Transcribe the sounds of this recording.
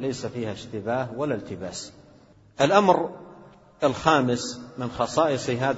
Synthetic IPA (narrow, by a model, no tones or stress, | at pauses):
lajsafiːhaʃt̪ɪbaːhwalːalt̪ɪbaːs | ʔalʔamɾ | alxaːmɪsmɪnxɑsˤɑːʔɨsˤiɦaːð